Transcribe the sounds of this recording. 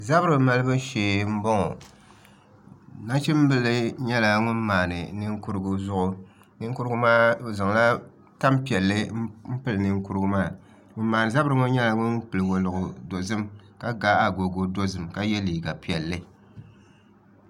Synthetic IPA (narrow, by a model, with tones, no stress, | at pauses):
za˦bɨ˦ɾɨ˨ma˦lɨ˦bɨ˦ʃeː˨m̩˦bɔ˦ŋɔ˨ | na˦t͡ʃɪ˦m˦bɨ˦lɨ˦ɲɛ˦la˨ŋʊ˦nmaː˨nɨ̰˨nɨ˦ŋ˦ku˦ɾɨ˦ɡʊ˨zʊ˦ʔʊ˨ | nɨ˦ŋ˦ku˦ɾɨ˦ɡʊ˦maː˦˨za˨ŋ˨la˦ | ta˦mpi˨ɛ˨lːɨ˦m̩˦pɨ˦lɨ˨nɨ˦ŋku˦ɾɨ˦ɡʊ˦maː˦˨ | ŋʊ˦n˦maː˨nɨ˨za˦bɨ˦ɾɨ˦ŋʊ˦ɲɛ˦la˨ŋʊ˦npɨ˨lɨ˨ɡo˨lɨ˨ʔʊ˨do˨zɨ˦mka˦ɡa˦a˨ɡo˨ɡo˨do˦zɨ˨mka˦jɛ˦liː˨ɡa˨pi˨ɛ˨lːɨ˦